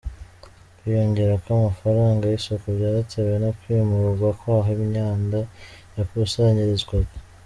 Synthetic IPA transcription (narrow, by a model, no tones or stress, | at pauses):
kwijo̞ɲɟe̞ɾakamafaɾaːŋɡajisokubɟaːɾatʰeβwenokwiːmuɾuɡwakoaɦoimɲaːndajakusaːɲiɾezɡwaɡa